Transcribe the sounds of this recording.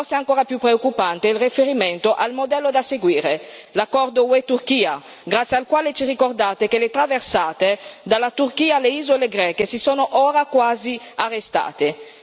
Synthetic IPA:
fɔrseaŋkoːɾapjupːɾeokːupant̪eilrifeɾiment̪oʔalmod̪ɛlːod̪aseɡwiːɾelakːɔrd̪owet̪urkiːa | ɡɾat̪sjialkwaːlet͡ʃirikord̪aːt̪ekelet̪ɾaversaːt̪ed̪alːat̪urkiːaleiːzoleɡɾɛːkesisoːnoʔoːɾakwaːziarːest̪a̰ːt̪e

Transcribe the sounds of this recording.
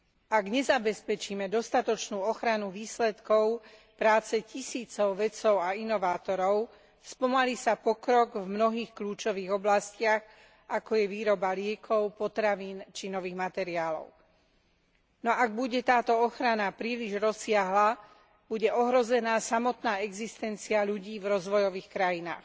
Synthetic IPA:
aɡɲɛzabɛspɛt͡ʃiːmɛd̪ɔst̪at̪ɔt͡ʃnuːɔxɾanuʋiːslɛt̪kɔʊpɾaːt͡sɛcisiːt͡sɔʊʋɛt͡sɔʊainɔʋaːt̪ɔɾɔʊ | spɔmaliːsapɔkɾɔɡvmnɔɦiːxkluːt͡ʃɔʋiːɣɔblascɪaɣ | ʔakɔjɛʋiːɾɔbalɪɛkʰɔʊpɔt̪ɾaʋiːnt͡ʃinɔʋiːɣmat̪ɛɾiaːlɔ̰ʊ | nɔʔaɡ̚buɟɛt̪aːt̪ɔɔxɾanapɾiːliʒɾɔsɪaɦla | b̥uɟɛʔɔɦɾɔzɛnaːsamɔt̪naːɛɡzist̪ɛnt͡siaʎuɟiːvɾɔzʋɔjɔʋiːxkɾajina̰ːx

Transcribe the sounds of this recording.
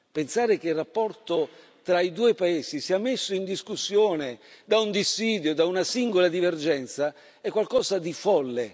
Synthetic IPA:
pensaːɾekeirːapːɔrt̪o | t̪ɾaid̪uːepaeːsisiːamesːoind̪iskusːjoːned̪aund̪isːiːd̪jod̪aunasiŋɡolad̪iverd͡ʒɛnt̪sa | ɛkːwalkɔːsad̪ifɔlːe

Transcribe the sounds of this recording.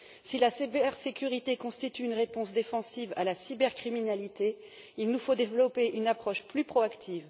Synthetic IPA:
silasebɛʁsekʲyʁit̪ekɔ̃st̪it̪yːnʁepɔ̃sd̪efɑ̃siva̰lasibɛʁkχiminalit̪e | ilnufod̪evlɔpeʔynapχɔʃplypχɔakt̪ʰiːv

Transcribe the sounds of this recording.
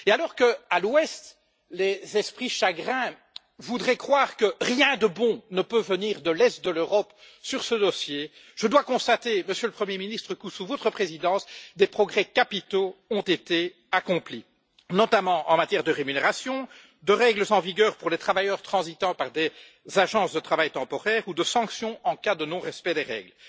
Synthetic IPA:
ealɔːʁkəalwɛst̪ | lezɛspχiʃaɡʁɛ̃ | vud̪ʁɛkχwaːʁkəʁjɛ̃d̪əbɔ̃nəpøvəniːʁd̪əlɛst̪̚d̪əløʁɔp | syʁsəd̪ɔsje | ʒ̥əd̪wakɔ̃st̪at̪eməsjøləpχəmjeminist̪χəkəsuvot̪χəpχezid̪ɑ̃sd̪epχɔɡʁɛkapit̪oɔ̃t̪et̪e | akɔ̃pli | nɔt̪amɑ̃ʔɑ̃mat̪jɛʁd̪əʁemyneʁasjɔ̃ | d̪əʁɛɡləzɑ̃viɡʲœːʁpuʁlet̪χavajœʁt̪χɑ̃zit̪ɑ̃paʁd̪e | zaʒɑ̃ːsd̪ət̪χavajt̪ɑ̃pɔʁɛːʁud̪əsɑ̃ksjɔ̃ɑ̃kad̪ənɔ̃ʁɛspɛd̪eʁɛ̰ːɡl

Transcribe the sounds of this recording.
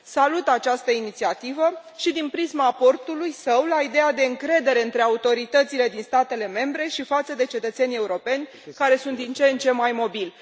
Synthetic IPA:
salut̪at͡ʃast̪əinit̪siat̪ivə | ʃid̪inpɾismaːpo̞rt̪ulujsəwlaid̪ejad̪e̞ɨŋkɾe̞d̪e̞ɾe̞ɨnt̪ɾe̞aut̪o̞ɾit̪ət̪sile̞d̪inst̪at̪e̞le̞me̞mbɾe̞ʃifat̪səd̪e̞t͡ʃe̞t̪ət̪se̞nʲe̞uɾo̞pe̞nʲ | kaɾe̞sunt̪d̪int͡ʃe̞nt͡ʃe̞majmo̞bilʲ

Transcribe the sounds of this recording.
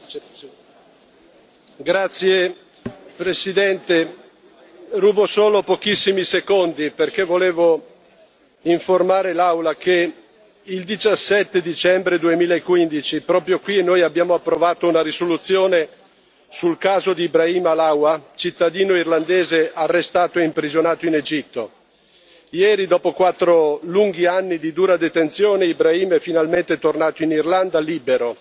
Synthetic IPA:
ɡɾat̪sːje | pɾesid̪ɛnt̪e | ruːbosoːlopok̟isːimisekond̪iperk̟evoleːvo | iɱformaːɾelawlake | ild̪it͡ʃasːɛt̪ːed̪it͡ʃɛmbɾed̪uemiːlaekːwind̪it͡ʃipɾɔːpɾjokwienːoːjabːjaːmoapːɾovaːt̪ounaɾisolut̪sːjoːne | sulkaːzod̪iːbɾaiːmalawat͡ʃit̪ːad̪iːnoirland̪eːzearːest̪aːt̪oeimpɾizonaːt̪oined͡ʒit̪ːo | jɛːɾid̪ɔːpokwat̪ːɾoluŋɡianːid̪id̪uːɾad̪et̪ent̪sjoːneibɾaiːmɛfinalment̪et̪ornaːt̪oinirland̪aliːbeɾo

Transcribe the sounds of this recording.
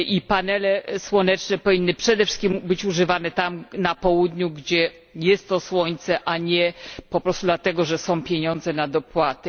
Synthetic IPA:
ʔipanɛlɛswɔnɛt͡ʂnɛpɔvʲinːɘpʂɛd̪ɛfʂɘ̥skʲimbɘt͡ɕuʐɘvanɛt̪amnapɔwud̪ɲuɡd͡ʑɛ | jɛst̪ːɔswɔɲt̪sɛʔaɲɛpɔpɾɔst̪ud̪lat̪ɛɡɔʐɛsɔ̃w̃pʲjeɲɔ̃nd̪zɛnad̪ɔpwat̪ɘ

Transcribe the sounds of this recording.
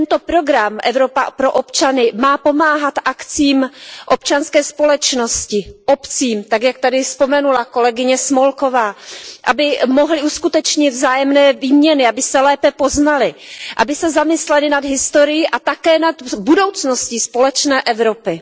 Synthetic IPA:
t̪ɛnt̪o̞pɾo̞ɡɾamʔɛvɾo̞papɾo̞ʔopt͡ʃanɪmaːpo̞maːɦat̪ʔakt͡siːmʔo̞pt͡ʃanskɛːspo̞lɛt͡ʃno̞scɪʔopt͡siːmt̪aɡjak̚t̪adɪspomɛnulako̞lɛɡɪɲɛsmolko̞vaːʔa̰bɪmoɦlɪuskut̪ɛt͡ʃɲɪd̪vzaːjɛmnɛːviːmɲɛnɪabɪsɛlɛːpɛpo̞znalɪʔa̰bɪsɛzamɪslɛlɪnad̪ɦɪst̪o̞ɾɪjiʔat̪akɛːnad̪budo̞wt͡snoscispo̞lɛt͡ʃnɛːʔɛvɾo̞pɪ

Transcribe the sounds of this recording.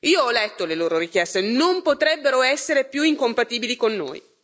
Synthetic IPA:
iːoɔlɛt̪ːoleloːɾoɾikjɛst̪enompot̪ɾɛbːeɾoɛsːeɾepjuiŋkompat̪iːbilikonːo̰ːj

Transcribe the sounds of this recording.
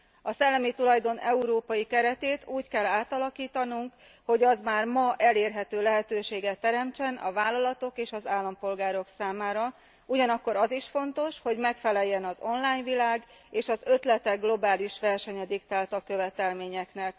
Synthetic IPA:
ɒsɛlːɛmit̪ulɒjd̪o̞nɛuɾoːpɒjikɛɾɛt̪eːt̪uːckɛlːaːt̪ɒlɒkiːt̪ɒnuŋk | ho̞ɟɒzmaːrmɒʔɛleːrɦɛt̪øːlɛɦɛt̪øːʃeːɡɛt̪ːɛɾɛmt͡ʃɛnɒ̰vaːlːɒlɒt̪o̞keːʃɒzaːlːɒmpo̞lɡaːɾo̞ksaːmaːɾɒ | uɟɒnɒkːo̞ɾɒziʃfo̞nt̪o̞ʃho̞ɟmɛkfɛlɛjːɛnɒzo̞nlaːɲvilaːɡ | eːʃɒzø̞t̪lɛt̪ɛɡlo̞baːliʃʋɛrʃɛɲɛd̪ikt̪aːlt̪ɒkø̞vɛt̪ɛlmeːɲɛknɛk

